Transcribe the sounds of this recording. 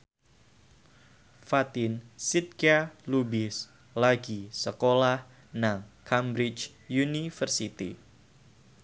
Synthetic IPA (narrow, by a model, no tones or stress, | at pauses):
fat̪ɪnsit̪̚kalubɪs | laɡisəkolah | naŋkʰambɾɪt͡ʃ | junifərsit̪ḭ